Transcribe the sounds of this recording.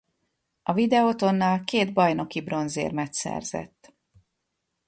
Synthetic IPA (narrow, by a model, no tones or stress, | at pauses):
ɒvid̪ɛot̪o̞nːɒlkeːd̪bɒjno̞kibro̞nzḛːrmɛt̪sɛ̰rz̥ɛ̰t̪ː